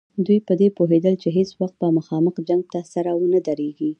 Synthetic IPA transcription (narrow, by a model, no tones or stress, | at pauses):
d̪ujpəd̪epoɦed̪əlt͡ʃeɦeswaxt̪̚bəmaxɑməxd͡ʒaŋɡ̚t̪asaɾawənəd̪aɾeɡi